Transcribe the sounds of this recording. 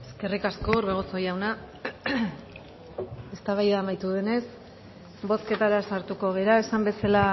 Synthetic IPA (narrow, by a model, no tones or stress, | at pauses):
e̞eske̞rikaskoɾβeɣ̞oso̞jawna | e̞st̪aβajamajt̪uðe̞ne̞s | bo̞ske̞t̪aɾasaɾt̪uko̞ɣ̞e̞ɾae̞sambe̞sala